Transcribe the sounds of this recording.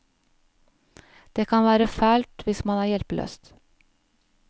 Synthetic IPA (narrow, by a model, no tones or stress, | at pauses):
d̪̥eːkʰɑnʋæːɾəfæːlt̪ʋɪsmɑnæːɾjɛlpəlø̰ːst̪